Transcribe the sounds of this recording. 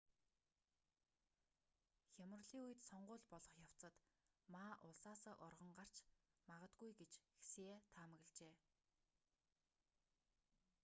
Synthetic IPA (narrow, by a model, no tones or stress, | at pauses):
xʲamə̆rɮiːŋujɘ̆t̪sɔɴɢʊːɮpɔɮɞ̆χjaw̥t͡sə̆t̪ | maːʔʊɮsaːsăːʔʊrʁə̆ɴɢar̥t͡ɕmaʁə̆t̪ɡujɡet͡ɕxe̥seːt̪ʰaːmə̆ɣ̆ɮt͡ɕeː